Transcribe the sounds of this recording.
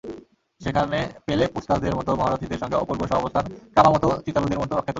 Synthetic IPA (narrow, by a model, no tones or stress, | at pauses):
ʃekʰanepelepust̪asd̪eɾmɔt̪obʱaɾot̪id̪eɾʃɔŋɡeɔ̰poɾboʃɔbaɔbost̪ʰankɾamamɔt̪ot͡ɕit̪alud̪eɾmɔt̪oɔkʰːet̪o